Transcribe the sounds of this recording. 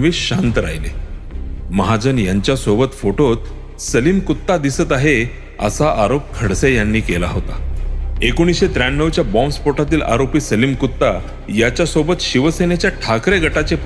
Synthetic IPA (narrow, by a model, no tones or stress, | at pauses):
ʋiːɕɕant̪əɾa̰jlḛ | məɦad͡zənjaɲt͡ɕjasobət̪foʈot̪ | səlimkut̪ːad̪isət̪aɦe | ə̰saʔaɾop̚kʰəɽsejanːiːkela̰ɦot̪a̰ekoɽ̃isɕet̪ɾanːəʋt͡ɕjabɔ̃mspoʈat̪̬iːlʔa̰ɾopiːsəlimkut̪ːa | jat͡ɕjasobət̪ɕiʋəsenet͡ɕjaʈʰakɾeɡʱəʈat͡sep